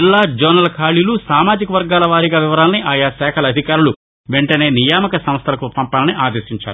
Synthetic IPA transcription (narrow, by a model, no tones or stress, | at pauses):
ilːaːd͡ʒɐnɐlɐkʰaːɭilusaːmaːd͡ʒikɐʋɐɾɡaːlɐʋaːɾiɡaːʋiʋɐɾaːlɐniʔaːjaːsɛːkʰɐlɐɐd̪ʱikaːɾulu | ʋeɳʈɐne̞ːnijaːmɐkɐsɐm̃st̪ʰɐlɐkupɐmpaːlɐniʔaːd̪e̞ːsiɲt͡ʃa̰ːɾu